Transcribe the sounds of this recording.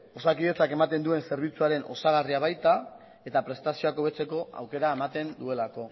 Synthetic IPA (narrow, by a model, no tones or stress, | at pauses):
o̞sakiðe̞t͡sake̞mat̪e̞nd̪ue̞nse̞ɾβ̞it͡suaɾe̞nʔo̞̰saɣ̞ariaβ̞ajt̪a | e̞t̪apɾe̞st̪asio̞ako̞β̞e̞t͡se̞ko̞a̰wke̞ɾae̞mat̪e̞nd̪ue̞lako̞